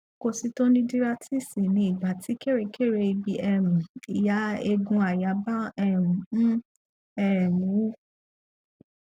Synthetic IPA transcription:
ko˧si˧to˦nĩ˦di˦ɾa˦ti˦˨si˨nĩ˧i˨ɡ͡ba˨ti˨˦ke˦˨ɾe˧ke˦˨ɾe˧i˧bi˧ɛ˨mĩ˨i˨ja˨˦e˧ɡũ˧a˨ja˨˦ba˦ɛ˦˨m̃˨nũ˦ | ɛ˦˨mũ˨˦

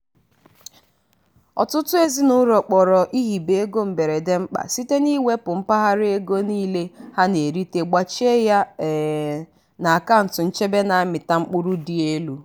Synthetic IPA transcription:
ɔ̰˨tʊ˦tʊ˦e˦zi˦nʊ˦ɾɔ˨k͡pɔ˨ɾɔ˨ʔi˦ɦi˨be˨e˦ɡo˦m̩˨be˨ɾe˨de˦ŋ͡m̩˦k͡pa̰˨si˦te˦ni˦we˦pʊ˨ŋ͡m̩˦pa˦ɦa˦ɾɪ˦e˦ɡo˦niː˦le˦ha˦ne˨ɾi˦te˦ɡ͡ba˦t͡ʃe˦ja˦˨ | na˨a˨ka˦n̩˨tʊ˨n̩˦t͡ʃe˦be˦na˨a˦mɪ˨ta˦ŋ͡m̩˦k͡pu˦ɾu˦di˨e˦lu˨˦

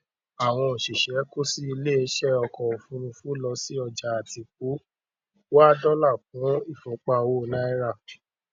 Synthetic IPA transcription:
a˨w̃ɔ̃˧o˨ʃi˨ʃɛ˨˦ko˦si˦i˧le˦˨˧ʃɛ˦˨ɔ˧kɔ˨o˨fũ˨˦ñũ˧fũ˦lɔ˧si˦ɔ˧˨d͡ʒa˨a˨ti˨k͡p̚u˨˦ | wa˦dɔ˦la˦˨k̚ã˨˦i˦˨fɔ̃˨k͡pa˧˨wo˦˨nã˦i˦ɾa˦˨

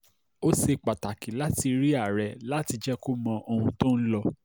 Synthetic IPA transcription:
o˦se˧k͡pa˨ta˨ki˨la˦ti˧ɾi˦a˦˨ɾɛ˨la˦ti˧d͡ʒɛ˦ko˦mɔ̃˧ʔo˧hũ˧tõ˦n̩˦lɔ˧

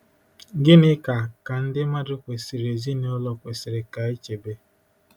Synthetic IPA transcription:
ɡɪ˦nɪ˦ka˨ka˨n̩˦dɪ˦ma˦dʊ˦kʷe˨sɪ˨ɾe˨zi˦ne˦ʊ˦lɔ˦kʷe˨sɪ˨ɾɪ˨ka˨e˦t͡ʃe˨be˦

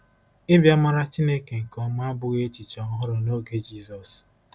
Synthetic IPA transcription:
ɪ˦bja˦ma˦ɾa˦t͡ʃi˦ne˦ke˨ŋ̩˨kɔ˦ma˦bʊ˦ɣe˦t͡ʃi˨t͡ʃa˨ɔ˦ɦʊ˦ɾɔ˨no˦ɡe˦d͡ʒi˦˨zɔ˨s

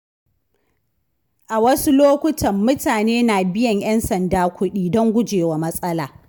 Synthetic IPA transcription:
ʔa˨wɐ˦su˦loː˦kʷʊ˦tʰɐ˨mːʊ˦taː˨neː˦na˨bɪ˦jɐ˨ɲj̰ɐ˦nsɐ˨ndaː˦kʷʊ˦ɗiː˦dɔ˦ŋɡʷʊ˦d͡ʒeː˨wa˨mɐ˦sʼɐ˦laː˨

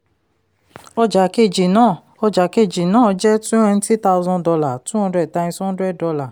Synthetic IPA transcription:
ɔ˧d͡ʒa˨ke˦˨d͡ʒi˨nãː˦˨ | ɔ˧d͡ʒa˨ke˦˨d͡ʒi˨nãː˦˨˧d͡ʒɛ˦tũ˦ɛ̃˧n̩˦ti˦ta˧u˦zɔ̃˧dɔ˧la˨tũ˦hɔ̃˧˦dɾɛ˦˨ta˧ĩ˧sɔ̃˦n˦dɾɛ˦˨dɔ˧la˨

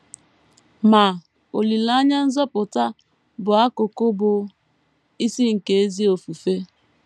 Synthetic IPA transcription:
ma˨ | o˨li˨la˦ɲa˦n̩˦zɔ˦pʊ˨ta˦ | bʊ˨a˦ko˨ko˦bʊ˨ | i˦si˦ŋ̩˨ke˨e˦zi˦o˨fu˨fe˦

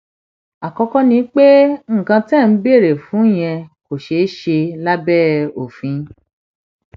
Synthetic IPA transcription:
a˨kɔ˧kɔ˦nĩ˧˦k͡pe˦ŋ̩˦˨kã˧tɛ̃˦˨˦be˦˨ɾe˨fũ˨˦˨j̃ɛ̃˧ko˨ʃe˨˦ʃe˧la˦bɛː˦˨o˨fĩ˨˧

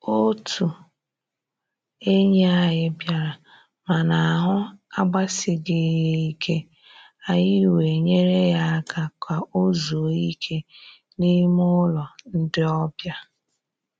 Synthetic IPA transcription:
o˦tʰu˨ | e˦ɲ˦a˦ɦɪ˦bja˨ɾa˨ | ma˨na˨a˨ɦʊ˦a˦ɡ͡ba˦sɪ˨ɡɪ˨je˦˨i˦kʰe˦ | a˨ɲɪ˦˨we˨ɲe˦ɾe˦ja˦ka˦kʷa˨ʔo˦zo˨i˦kʰe˦ | ni˦mʊ˦lɔ˨n̩˦dɪ˦ɔ˦bja˦

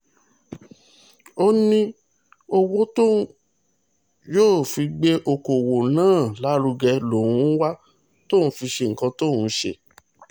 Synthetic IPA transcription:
o˦nĩ˦ | o˧wo˦to˦ | joː˦˨fi˧ɡ͡be˦ʔo˧ko˨wo˨nãː˦˨la˨˦ɾu˧ɡɛ˧lo˨ɾũ˦wa˦ | to˦˨ũ˦fi˧ʃe˧ŋ̩˨kã˧to˦˨ũ˦ʃḛ˧

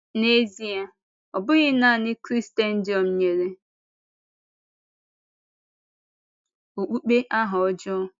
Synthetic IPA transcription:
ne˦zi˨a˨ | ɔ˨bʊ˦ɣɪ˦na˦˨nɪ˦kɾi˦ste˦n̩˦d͡ʒɔ˨m̩˨ɲe˨ɾe˦ | o˨k͡pu˦k͡pe˦ʔa˦ɦʊ˨ɔ˦d͡ʒɔ˦

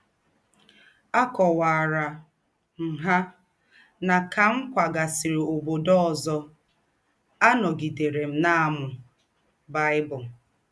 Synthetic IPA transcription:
a˦kɔ˨wa˨ɾa˨ | n̩˨ɦa˦ | na˨ka˨ŋ̩˦kʷa˨ɡa˨si˨ɾe˨o˨bo˨dɔ˦ɔ˨zɔ˦ | a˦nɔ˨ɡi˨de˨ɾe˨m̩˦na˦a˨mʊ˨ | ba˦ɪ˦bʊ˨

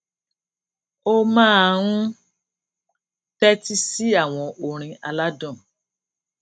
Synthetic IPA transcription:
o˦mãː˦˨ɾũ˦ | tɛ˦ti˦si˦a˦˨w̃ɔ̃˧ʔo˨ɾ̃ĩ˧a˧la˦dɔ̃˦˨

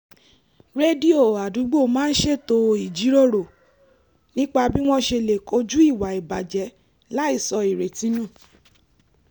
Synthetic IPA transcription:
ɾe˦di˦o˨a˨du˨˦ɡ͡bo˦˨mãː˦n̩˦ʃe˦˨to˧i˨d͡ʒi˨˦ɾo˦˨ɾo˨ | nĩ˦k͡pa˧bi˦w̃ɔ̃˦ʃe˧le˨ko˧˦d͡ʒu˦i˦˨wa˨i˨ba˨d͡ʒɛ˨˦ | la˦i˦˨sɔ˧i˨ɾe˨tĩ˨˦nũ˦˨

